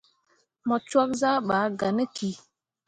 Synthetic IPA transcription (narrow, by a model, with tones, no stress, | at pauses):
mɔ˨t͡ʃwɔ˦k̚za˦ɓa˨˦ɡa˨nə˦ki˨